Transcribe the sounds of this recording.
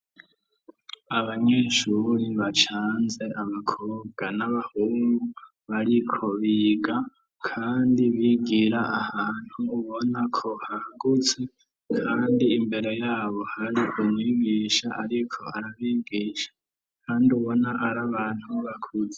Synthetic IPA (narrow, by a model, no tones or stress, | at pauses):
aβaɲe̞ːʃuɾiβat͡ʃaːnze̞ʔaβakʰoːβɡanaβahuːŋɡu | βaɾikʰo̞βiːɡa | kʰaːndiβiɡiɾaʔahaːn̥huːβo̞nakʰo̞haɡut͡se | kʰaːndiːmbe̞ɾe̞jaːβo̞haɾiʔumwiːɡiːʃaʔaɾikʰo̞̰aɾaβiɡiːʃḁ | kʰaːndiuβo̞naʔaɾaβaːn̥huβakʰud͡ze̥